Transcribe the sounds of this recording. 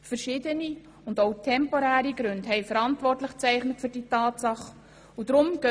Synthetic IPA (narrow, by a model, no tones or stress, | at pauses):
fəɾʃɪːdəni | ʊndoʊtʰɛmpɔɾæːɾiɡɾʉndɦɛɪfəɾɑntvɔrtləχt͡sɛɪχnətfʏɾd̥iːtɑːtsɑχ | udɾʊmɡ̥œ